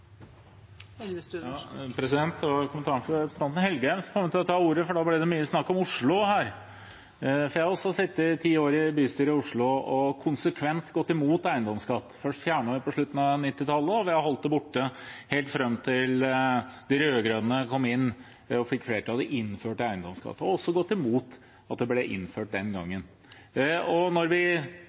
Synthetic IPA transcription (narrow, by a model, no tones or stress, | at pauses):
pʰɾɛsɪd̪ɛnt̪̚d̪ɛʋɑkʰʊmənt̪ɑːɳfst̪ɑnt̪n̩hɛlɡəɾɛmsfɔmt̪ʰt̪ʰɑuːɾəfɔɖɑblɛd̪ɛmyːəsnɑkːɔmʊʂɭʊhæːɾ | fɔɾjæɔsːɔsɪt̪ːət̪ʰiːəoːɾɪbyːst̪yːɾɪʊʂɭʊɔkʰʊnsəkʰʋɛnt̪ɡɔt̪ːɪmuːt̪æɪənd̪ɔmskɑt̪ːfœʂʈfjæːɳəɪpɔʂɭʉt̪ːn̩ɑnɪt̪ːɪt̪ʰɑlːəɔʋɪhɑɾhɔlt̪̚d̪ɛbʊʈːəheːlt̪fɾɛmːt̪ʰɪld̪̥ɪɾøːɡɾøːd̪ənəkʰɔmːɪnː | ɔfɪkːfleːɾəʈʰɑːləʔɪnføːʈæɪənd̪ɔmskɑ̰t̪ːəɔɔsːɔɡɔt̪ːɪmuːt̪ | ɑt̪̚d̪ɛblɛʔɪ̰nføːʈ̚d̪ɛnɡɑ̰ŋːən | ɔnɔɾʋɪ